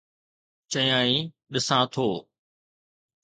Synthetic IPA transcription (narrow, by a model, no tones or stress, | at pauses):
t͡ɕɐjãːĩ | ɗɪsãːt̪ʰoː